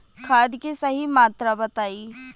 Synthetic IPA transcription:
kʰaːd̪kisɐɦimaːt̪ɾabɐt̪aːiː

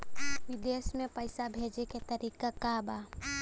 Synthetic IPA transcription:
ʋɪd̪eːsmẽpəɪsabʱeːd͡ʒeket̪ɐɾiːkakabaː

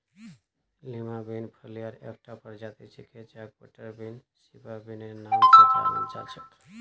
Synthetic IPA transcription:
limabinpʰəlijəɾek̚ʈapəɾd͡ʒat̪it͡ʃʰiket͡ʃak̚bə̰ʈəɾbin | sibabinenamt͡ʃʰat̪amə̰nt͡ʃalt͡ʃʰək

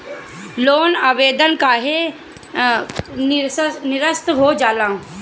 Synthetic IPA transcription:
loːnaːʋeːd̪ənkaːɦe | nɪɾəst̪ɦod͡ʒaːlãː

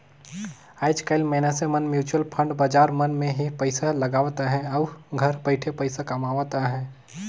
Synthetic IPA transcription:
aːɪd͡ʒkaɪlmɛːnəsemɐnmjuːt͡ʃuwəlpʰə̃ɳɖbad͡ʒaːɾmɐnmẽɦipəɪsalɐɡaːʋt̪aɦɛ̃ɔɡʱɐɾbəɪʈʰepɐɪsakɐmaːʋt̪aɦɛ̃ː

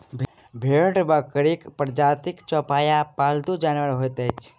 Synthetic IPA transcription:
bʱ | bʱeɾɖbəkəɾikpɾd͡ʒaːt̪ikt͡ʃɔːpaːjapalt̪ud͡ʒaːnʋəɾɦojt̪et͡ʃ

